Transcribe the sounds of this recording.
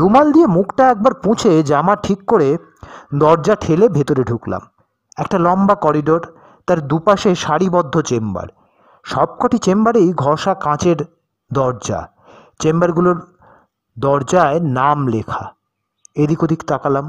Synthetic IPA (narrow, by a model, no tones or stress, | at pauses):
ɾumald̪iemukʰʈaɛk̚baɾpũt͡ɕʰed͡ʑamaʈʰikːoɾe | d̪ɔɾd͡ʑaʈʰelebʱet̪oɾeɖʱukla̰m | ɛk̚ʈalɔmbakɔɾiɖoɾ | t̪aɾd̪upaʃeʃaɽibɔd̪ʱːot͡ɕemba̰ɾ | ʃɔb̚kɔʈit͡ɕembaɾejɡʱɔʃakãt͡ɕeɾ | d̪ɔɾd͡ʑa̰ | t͡ɕembaɾɡuloɾ | d̪ɔɾd͡ʑaenamlekʰa̰ | ed̪ikod̪ʱikt̪akalam